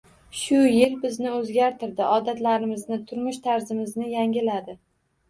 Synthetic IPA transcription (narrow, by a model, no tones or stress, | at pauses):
ʃʊjɪlbɪznɪɵzɡʲaɾt̪ʰɪɾd̪ɪʔɒd̪at̪laɾɪmɪznɪt̪ʰʊɾmʊʃt̪ʰaɾzɪmɪznɪjaŋʲɪlad̪ɪ